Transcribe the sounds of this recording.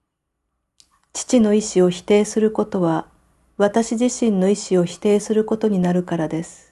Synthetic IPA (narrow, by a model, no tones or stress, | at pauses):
t͡ɕi̥t͡ɕino̞iɕio̞çi̥t̪e̞ːsɨɾɯ̟ko̞t̪o̞βa | βat̪aɕiʑiɕĩnːo̞iɕio̞çi̥t̪e̞ːsɨɾɯ̟ko̞t̪o̞ɲ̟inaɾɯ̟kaɾad̪e̞sɨ̥